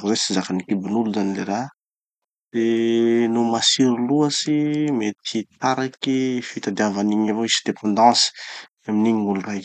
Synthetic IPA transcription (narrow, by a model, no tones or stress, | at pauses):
uzesizakanikibinuluzanileɾa | d̥enomasiɾiluasimet̪ʰit̪aɾakifit̪ad̪iavaniɲavoisid̪epʰãnd̪ɑ̃si̥ | aminiɲiŋuluraj